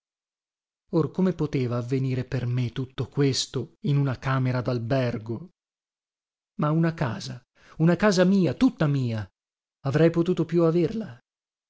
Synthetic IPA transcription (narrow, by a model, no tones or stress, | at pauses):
orkomepot̪eːvaːvːeniːɾepermet̪ːut̪ːokwest̪oinunakaːmeɾad̪albɛrɡo | maunakaːza | unakaːzamiːat̪ut̪ːamiːaː | vɾɛjpot̪uːt̪opjuaverla